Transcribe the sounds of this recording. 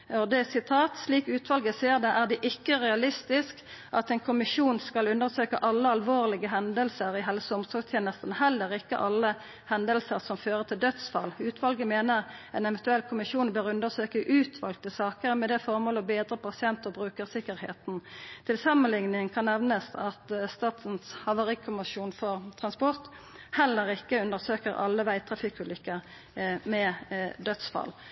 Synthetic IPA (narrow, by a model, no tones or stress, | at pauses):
ɔd̪ɛsɪt̪ʰɑːt̪sliːkʉːt̪ʋɑlɡəseːʁd̪ɛʔæːʁd̪ɛʔɪkːəʁɛɑlɪst̪ɪskʔɑt̪ɛnkʰʊmɪʂuːnskɑlʉnd̪əʁsøːkəʔɑlːəɑlʋoːʁlɪɡəɦɛnd̪əlsəʁɪɦɛlsʊmsɔːst̪ʰjeːnəst̪nhɛlːəʁɪkːə̰ʔɑlːə | hɛnd̪əlsəʁsɔmføːʁət̪ʰɪld̪œt̪sfɑ̰lʉːt̪ʋɑlɡəmeːnəʁɛnɛʋɛnt̪ʉɛlːkʰʊmɪʃuːnbøːʁʉnd̪əʁsøːkəʔʉːt̪ʰʋɑlɡ̚t̪əsɑːkəʁmɛd̪ɛfɔʁmoːləɔbeːd̪ʁəpɑsɪɛnt̪ɔbʁʉːkəʁsɪkəʁhḛːt̪n̩t̪ʰɪlsɑmənlɪŋnɪŋŋkʰɑnːɛʋnəsɑt̪st̪ɑːt̪n̩shɑʋəʁiːkʰʊmɪʃuːnfɔʁt̪ʰʁɑnspɔʁt̪ | hɛlːəʁɪkːəʉnd̪əʁsøːkəʁʔɑ̰lːəʋæɪt̪ʰʁɑfɪkʉlʏkːəʁ | mɛd̪œt̪sfɑ̰l